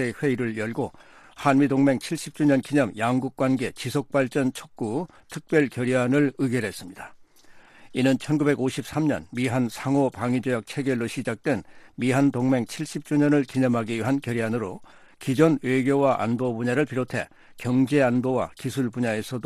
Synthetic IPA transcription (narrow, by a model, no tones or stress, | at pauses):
eɸwe̞iɾɯɭjʌɭɡo | hanmidoŋme̞ŋt͡ɕʰiɭɕ͈ip̚t͡ɕ͈uɲʌnkiɲʌmjaŋɡuk̚k͈wanɡe̞t͡ɕisʰok̚p͈aɭt͡ɕ͈ʌnt͡ɕʰok̚k͈u | tʰɯk̚p͈jʌɭkjʌɾianɯɭɯɡeɾɦe̞s͈ɯmɲida | inɯnt͡ɕʰʌnɡube̞ɡoɕʰip̚s͈amɲʌnmiɦansʰaŋopaŋid͡ʑojak̚t͡ɕʰe̞ɡeɾoɕʰid͡ʑak̚t͈we̞nmiɦantoŋme̞ŋt͡ɕʰiɭɕ͈ip̚t͡ɕ͈uɲʌnɯɭkiɲʌmɦaɡiɥiɦankjʌɾianɯɾo | kid͡ʑʌnwe̞ɡjowaʔa̰nbobuɲaɾɯɭpiɾotʰe̞̰ | kjʌŋd͡ʑe̞anbowa̰kisʰuɭbuɲae̞sʰʌd